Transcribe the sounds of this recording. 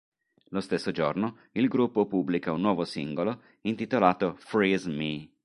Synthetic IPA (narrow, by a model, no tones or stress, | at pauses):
lost̪esːod͡ʒorno | ilɡɾupːopubːlikaunːwɔːvosḭŋɡolo | int̪it̪olaːt̪ofɾizmi